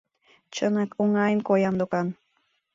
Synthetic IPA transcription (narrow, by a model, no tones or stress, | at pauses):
t͡ɕənɑkoŋɑjənkojɑmd̪okɑn